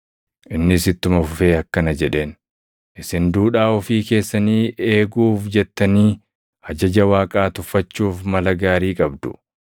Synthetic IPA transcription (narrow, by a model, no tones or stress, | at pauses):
ʔɪnːɪsɪt̪ːʊmɐfʊfe̞ːɐkːɐnɐd͡ʒɛᶑe̞ːn | ʔɪsɪnd̪uːᶑaːɔfiːke̞ːsːɐniːeːɡuːfd͡ʒɛt̪ːɐniː | hɐd͡ʒɐd͡ʒɐwaːkʼaːt̪ʊfːɐt͡ʃːuːfmɐlɐɡaːɾiːkʼɐbd̪ʊ̥̰